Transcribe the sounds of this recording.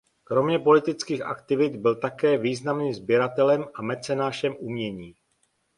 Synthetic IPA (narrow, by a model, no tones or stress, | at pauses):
kɾo̞mɲɛpo̞lɪt̪ɪt͡skiːxʔa̰kt̪ɪvɪt̪bɪlt̪akɛːviːznamniːmzbjɛɾat̪ɛlɛmamɛt͡sɛnaːʃɛmʔumɲɛɲiː